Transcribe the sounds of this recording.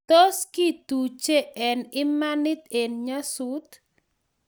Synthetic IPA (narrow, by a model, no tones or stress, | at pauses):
t̪oskid̪̥u̥t͡ʃeʔɛnimanit̪̚ɪnɲəsut̪